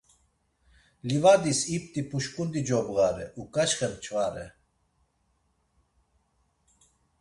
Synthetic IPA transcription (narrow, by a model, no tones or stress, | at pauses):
livad̪isipt̪ʼipʰuʃkʼund̪id͡ʒɔbɣaɾɛ̰ʔukʼaʃχɛnt͡ʃʰvaɾɛ̰